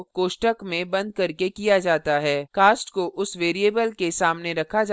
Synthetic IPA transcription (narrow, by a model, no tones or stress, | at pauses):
koːʃʈəkmẽbɐ̃nd̪̚kɐɾkekijad͡ʒaːt̪aɦɛːkaːsʈkoʔʊsʋeːɾieːbəlkesaːmneɾɐkʰad͡ʒa